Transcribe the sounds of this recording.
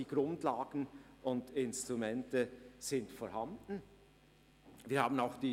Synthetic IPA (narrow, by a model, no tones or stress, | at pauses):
iːɡ̥ɾʊndlaːɡn̩ʔʊndɪnstʁ̥umɛntəz̥ɪntfɔɾhandn̩ | viːɐhaːbən̩aʊxd̥iː